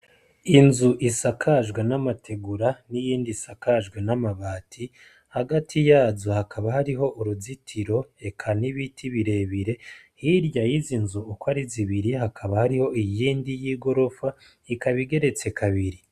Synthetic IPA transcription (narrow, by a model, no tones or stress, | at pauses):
inzuʔisakʰaʒɡwenamatʰe̞ɡuɾanijiːndisakaʒɡwenamaβaːtʰi | haɡatʰijaːzohakʰaβahaɾiɦo̞ʔuɾuzitʰiɾo̞e̞kʰaniβitʰiβiɾe̞βiɾe̞hiɾjajizinzuːkwaɾiziβiɾiɦakʰaβahaɾiho̞ijiːndijiːɡo̞ɾo̞fa | ikaβiɡe̞ɾe̞t͡se̞kʰaβiɾi